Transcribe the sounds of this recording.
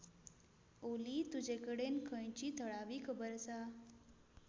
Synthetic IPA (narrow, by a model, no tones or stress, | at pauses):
olit̪ud͡ʑekəɽenkʰə̃jt͡ɕiːt̪ʰəɽaʋiːkʰəbəɾsa